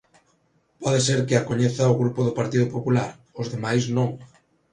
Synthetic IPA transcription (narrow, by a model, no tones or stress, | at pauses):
pɔðeseɾkɪakoɲeθɐʊɣɾupʊðʊpaɾt̪iðʊpopulaɾ | ozðemajsnõŋ